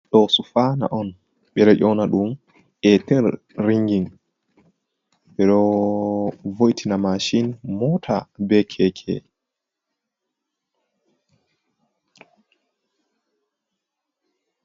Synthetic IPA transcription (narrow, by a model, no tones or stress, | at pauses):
ɗɔsufana̰ʔɔn | ɓɛɾɛʔɔnaɗum | ʔɛtɛɾ | ɾiŋɡin | ɓɛɗɔ | vojtʰinamaʃinmɔtʰabɛkʰɛkʰɛ̰